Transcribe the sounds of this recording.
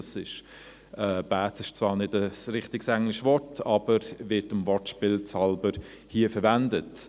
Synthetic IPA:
sɪʃ | ɛːb̥æːt͡sɪʃt͡svɑːnɪdəsɾɪχtɪɡsæŋlɪʃvɔɹtʰɑb̥əɾvɪtəmvɔtʃpɪːlt͡sɑlbəɾ | hiəfəɾvændət

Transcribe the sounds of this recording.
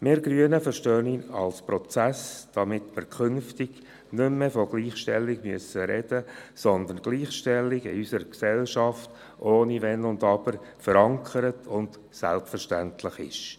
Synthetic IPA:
mɪːɾɡɾyənəfəɾʃtøːninɑlspɾɔt͡sæsd̥ɑmɪtməɾkʰʏnftɪɡ̥ | nʏmːɛfɔɡ̥liːχʃtɛlːɪɡmyəsəɾɛd̥əsɔnd̪ənɡ̥liːχʃtɛlːɪɡɪ̰ysəɾksɛlʃɑft | ʔoːniʋɛnʊndɑb̥əɾ | fəɾɑŋkʰəɾətʰʊnd̥ | sæ̰lpfəɾʃtæntʰlɪχɪ̰ʃ

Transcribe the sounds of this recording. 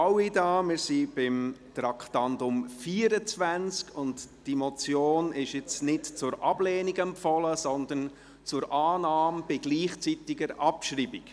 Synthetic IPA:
awidɑːmɪɾsib̥ɪmt̪ɾɑktɑndʊmfiːəɾət͡svænt͡skʊntd̥imɔt͡sjoːnɪʃɪt͡snɪtt͡sʊɾʔɑb̥lɛːniɡɛmpfɔləsɔnd̪ən | t͡sʊɾʔaːnaːmb̥ɪɡliːχt͡sitɪɡəɾɑpʃɾiːbɪk

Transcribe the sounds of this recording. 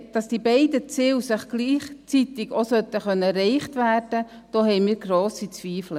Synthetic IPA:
d̥ɑsd̥iːbɛɪdət͡sɪwsɪχɡ̥liːχt͡sitɪɡ̥osœt̪ːəχœnːəɛrɛɪχtvæːrd̥ə | d̥oːhɛɪmiːɾɡroːsit͡sviːflə

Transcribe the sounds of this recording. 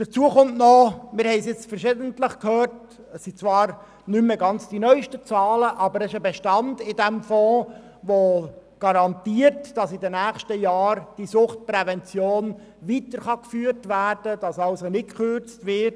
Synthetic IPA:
d̥ət͡suːəχʊmtnɔmɪɾhɛɪsjɪt͡sfəɾʃɪdəntləχkʰhøːɾt | əssit͡svɑːɾ | nʏmːəɡɑnt͡sd̥inœʏʃtət͡sɑːləʔɑbəɾɛʃəbɛʃtɑndɪdɛmfɔː | ʋoɡ̥ɑɾɑntiːəɾtd̥ɑsɪdənæːχʃtəjɑːɾd̥isʊχt̚pɾɛvɛnt͡sjoːn | ʋitəɾχɑkfyːɾtvæːrd̥əd̥ɑsɑlsonɪt̚kχʏɾt͡stʋɪrt

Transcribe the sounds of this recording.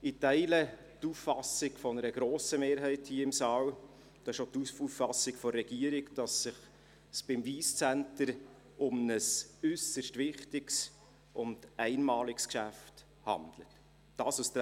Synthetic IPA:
ɪtæɪlə | tuffɑsɪɡfɔnəɾəɡɾoːsəmeːɾɦɛɪthiːəɪmsɑːw | d̥̪ɑːɪʃot̪ufufɑsɪɡfɔɾɛɡ̥iəɾɪkd̥ɑsːɪχ | sb̥ɪmviːst͡sæntəɾ | ʊmnəsʏsəʃtvɪχtɪks | ʔʊnd̥ɛɪnmɑːlɪkskʃæft | hɑ̰nd̥lə̰tː | ɑːsust̪

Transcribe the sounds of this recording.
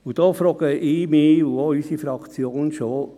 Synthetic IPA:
ʊd̥ɔːfɾɔɡ̥əʔiːmiːuoysifɾɑkt͡sjoːnʃo

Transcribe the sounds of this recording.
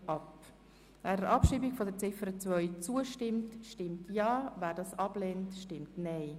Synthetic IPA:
ʔɑp | væːɾəɾʔɑpʃiːbiɡfɔdəɾt͡sɪfəɾət͡svœʏt͡suəʃtɪmtʃtɪmtjɑːvæːɾdɑːsɑbleːntʃtɪmtnɛɪ

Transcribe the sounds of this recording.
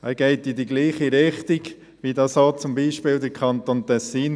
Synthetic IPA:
ɛɡ̥ɛɪtɪdiɡliːχiɾɪχtɪɡ̥ | ʋidɑsoːt͡sʊmbiːʃpɪːld̪əɾkʰχɑnt̪ontɛsiːn

